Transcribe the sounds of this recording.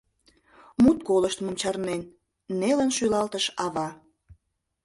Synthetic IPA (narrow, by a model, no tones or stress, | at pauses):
mut̪̚koləʃt̪məmt͡ɕɑrnenː | elənʃylɑlt̪əʃɑβɑ